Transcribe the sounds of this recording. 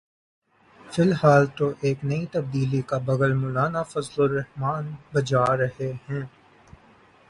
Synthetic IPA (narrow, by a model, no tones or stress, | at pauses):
fɪlɦaːlt̪oʔeːknɐit̪ɐb̚d̪iːlikabɐɡəlmʊːlaːnafɐzloɾɛɦmaːnbɐd͡ʒaːɾɐɦehɛ̃ː